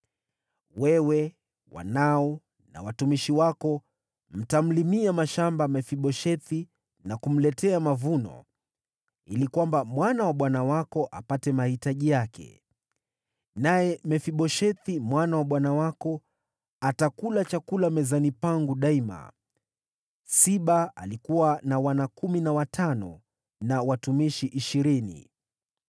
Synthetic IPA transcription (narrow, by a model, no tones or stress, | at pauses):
wɛwɛ | wa̰naɔ | na̰watumiʃiwakɔ | m̩tam̩limiamaʃambamɛfiɓɔʃɛt̪i | nakum̩lɛtɛamavunɔ̰ | ḭlikwambamwanawaɓwanawakɔʔa̰patɛmahitaʄijakɛ̰ | najɛmɛfiɓɔʃɛθimwanawaɓwanawakɔ | atakulat͡ʃakulamɛzanipaŋɡuɗaima̰ | siɓaa̰likuwanawanakuminawatʰanɔ | nawatumiʃiʔiʃiɾinḭ